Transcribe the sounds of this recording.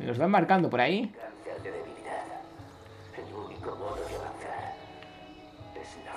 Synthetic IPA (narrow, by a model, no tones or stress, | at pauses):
mḛlozβamaɾkand̪opoɾaianθaɾkeðeβiβiɾað | elunikomoɾokaβanθaɾ | esn